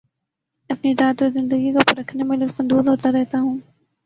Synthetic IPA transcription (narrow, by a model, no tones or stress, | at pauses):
ɐpnizaːt̪ɔɾzɪ̃nd̪əɡikopɐɾɐkʰnemẽlɐfɐ̃nd̪uːzɦoːt̪aɾɛɦt̪aɦũː